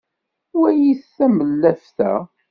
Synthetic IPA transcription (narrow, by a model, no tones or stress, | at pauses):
wæjiθːæməlːæfθæ̰